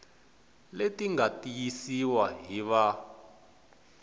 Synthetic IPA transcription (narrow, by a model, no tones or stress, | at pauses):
letiŋɡatijisiwaɦiβa